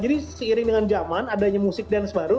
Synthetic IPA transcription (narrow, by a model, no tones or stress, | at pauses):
d͡ʒadisəiɾɪŋdəŋand͡ʒamanadaɲamusɪk̚dansəbaɾu